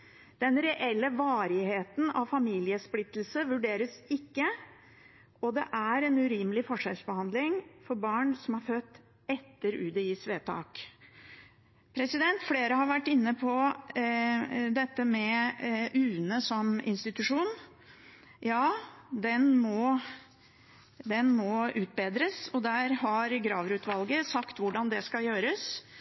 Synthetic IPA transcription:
d̪̥ɛnɾɛʔɛlːəʋɑːɾɪheːt̪n̩ɑʋfɑmiːlɪəsplɪt̪ːl̩səʋʉɖeːɾəsɪkːə | ɔd̪ɛ̰ʔæɾɛnʉɾiːməlɪfɔʂɛlsbəhɑnd̪lɪŋfɔɾbɑːɳsɔmɑɾfœt̪ː | ɛt̪ːəɾʉ̰ːd̪əjiːsʋeːt̪ʰɑ̰ːk | pʰɾɛsɪd̪ɛnt̪fleːɾəhɑɾʋæʈːɪnːəpʰɔ | d̪ɛt̪ːəmɛʔʉːnəsɔmɪ̰nst̪ɪt̪ʉʂuːn | jɑːd̪ɛnmɔ | d̪ɛnmɔʉːt̪̚beːd̪ɾəsɔd̪æːɾhɑɾɡɾɑːʋɾʉːt̪ʰʋɑlɡəsɑkt̪ʋʊɖɑnd̪ɛskɑjøːɾəs

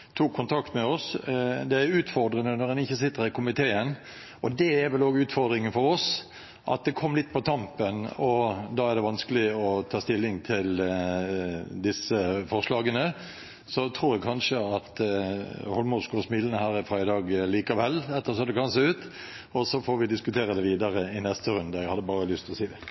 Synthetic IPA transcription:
t̪ʰuːkʰːʊnt̪ʰɑkt̪mɛɔsd̪ɛæɾʉːt̪fɔɾd̪ɾənənɔʁɛnɪçːəsɪt̪ːəɾɪkʰʊmɪt̪ʰeːən | ɔd̪ɛæɾʋɛloːɡʉːt̪fɔʁd̪ɾɪŋənfɔɾɔs | ʔɑ̰t̪̚d̪ɛkʰɔmːlɪt̪ːpʰɔt̪ʰɑmpənɔd̪ɑːæʁd̪ɛʋɑnskəlɪɔt̪ʰɑːst̪ɪlːɪŋt̪ʰɪl | d̪ɪsəfɔʁʂlɑːɡənə | sɔt̪ʰɾuːɾjɛɡkʰɑnʂəɑt̪ | hɔlmuːd̪skosmɪːlənəhæːɾɪfɾæɪd̪ɑːɡliːkɑʋɛlːɛt̪ːəʁsɔmd̪ɛkʰɑnseːʉːt̪ | ɔsɔfoːʋɪd̪ɪskʉt̪ʰeːɾəd̪ɛʋiːd̪ɑɾəɪnɛst̪əɾʉnd̪əɛɡhɑd̪ːəbɑːɾəlʏst̪ɔsiːd̪ɛ

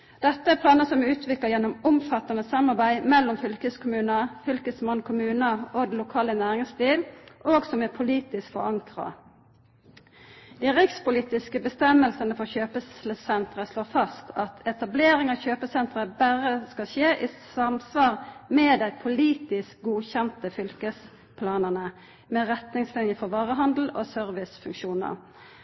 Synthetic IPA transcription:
d̪̥ɛt̪ːəæpʰlɑːnəsɔmʉːt̪ʰʋɪkləʁjɛnʊmʊmfɑt̪ɑnəsɑmɑʁbæɪmɛlːɔmfʏlkəskʰʊmʉːnəfʏlkəsmɑnkʰʊmʉːnəoːd̪n̩lʊkʰɑːlənæːʁɪŋst̪iːlʔoːɡsɔmɛːpʰʊliːt̪ɪskfɔ̰ʁɑŋkʁɑ̰ | d̪̥iːʁɪkspʊliːt̪ɪskəbəst̪ɛmːəlsənəfɔʁçøːpəslsɛnt̪ʁəsloːfɑst̪ʰɑt̪ʰɛt̪ɑbleːʁɪŋɑçøːpəsɛnt̪ʁəbæʁəskɑʃeːʔɪsɑmsʋɑːʁmɛd̪æɪpʰʊliːt̪ɪsk̚ɡuːçɛnt̪əfʏlkəs | pʰlɑːnənə | mɛʁɛt̪nɪŋslɪnjəfɔʋɑːʁəɦɑnd̪l̩o̰ːsœʁʋɪsfʉŋkʃuːnə̰ʁ

